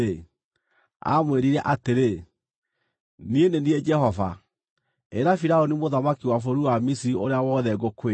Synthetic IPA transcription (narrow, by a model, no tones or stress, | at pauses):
e | a̰mweɾiɾɛʔateɾe | nienenied͡ʒɛhɔva | eɾafiɾaɔnimoðamakiwafoɾuwamisiɾioɾeawɔðɛɡokwe